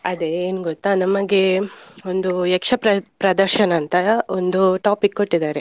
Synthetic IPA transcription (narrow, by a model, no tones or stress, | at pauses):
ɐd̪eːnuɡot̪ːaːnɐmɐɡe̞ond̪uɛkʂɐpɾɐpɾɐd̪ɐɾʃɐnɐːnt̪ɐond̪uʈaːpikːoʈːid̪aːɾe̞